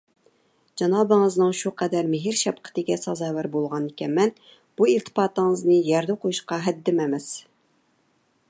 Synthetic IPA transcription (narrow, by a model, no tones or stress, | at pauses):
d͡ʒɑnɑːbɨŋəznɨŋʃuqʰɛd̪æɾmɪɦɪɾʃɛp̚qʰə̥t̪ɪɡʲɛsɑzɑːwæɾbolˠʁɑnd̪ɪkʲɛnmɛn | b̥uilt̪ʰɨ̥pɑːt̪əŋəznɨjɛɾd̪ɛqʰojuʃqɑɦɛd̪ːɪmɛmɛs